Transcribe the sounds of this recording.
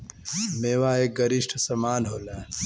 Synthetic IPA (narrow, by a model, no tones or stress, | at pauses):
meːʋaeːk̚ɡɐɾiʃʈʰsɐmaːnɦoːlãː